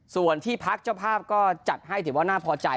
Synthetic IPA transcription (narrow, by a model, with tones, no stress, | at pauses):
su˨˩ənt̪ʰiː˥˩pʰa˦˥k̚t͡ɕaː˥˩wpʰaː˥˩p̚kɔː˥˩t͡ɕa˨˩t̪̚ɦa˥˩jt̪ʰɯː˩˦waː˥˩naː˥˩pʰɔː˧t͡ɕa˧